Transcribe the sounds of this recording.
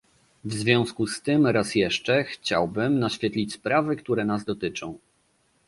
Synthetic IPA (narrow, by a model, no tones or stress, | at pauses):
vzvʲjɔ̃w̃skust̪ɘmɾasjɛʂt͡ʂɛxt͡ɕa̰wbɘmnaɕfʲjɛt̪lʲit͡ɕʲspɾavɘkt̪uɾɛnazd̪ɔt̪ɘt͡ʂɔ̃w̃